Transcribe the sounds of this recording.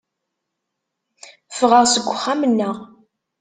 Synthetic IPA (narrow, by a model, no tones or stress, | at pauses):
fʁəʁsəɡʷʊχːamənːəʁ